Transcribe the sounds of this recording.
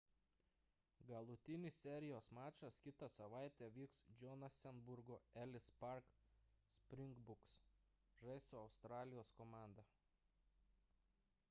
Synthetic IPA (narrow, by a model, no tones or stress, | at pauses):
ɡɐlˠʊt̪ʲɪnʲɪsʲsʲɛɾʲɪjoːsmɑːt͡ʃɐskʲɪt̪ɐsɐʋɑˑɪt̪ʲɛːʋʲiːksd͡ʒʲɔnɐsʲɛnbʊɾɡoːɛlʲɪspɐɾksʲpʲɾʲɪŋɡbʊks | ʒɐɪsuɐʊst̪ɾɑːlʲɪjoːskoːmɑˑnd̪ɐ